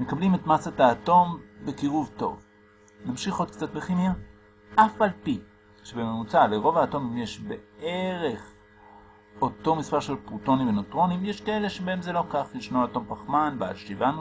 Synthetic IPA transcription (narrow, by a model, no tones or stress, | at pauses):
me̞kablimetmasataːto̞mbekiʁuvto̞̰v | namʃiχot̪kt͡sat̚beχimja | ʔafʔalpi | ʃebememut͡saleʁo̞vaːto̞mimjeʃbeeʁe̞χ | o̞to̞mispaʁʃelpʁuto̞nimvenotʁo̞nimjeʃkae̞le̞ʃebaemzelo̞kaχliʃnoaːto̞mpaχmanbea̰lʃivan